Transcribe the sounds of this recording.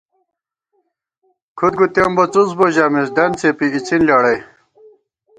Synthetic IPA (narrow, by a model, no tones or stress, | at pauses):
kʰud̪̚ɡut̪embɐt͡susboʑaːmesd̪ɐnt͡sepiit͡sinlaːɽɐj